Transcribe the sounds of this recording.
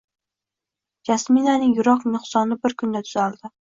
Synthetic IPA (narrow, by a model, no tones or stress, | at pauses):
jasminanɪŋjʊɾɒqnʊχsɒnɪbɪɾkʰʊnd̪at̪ʰʊ̥z̥ald̪ɪ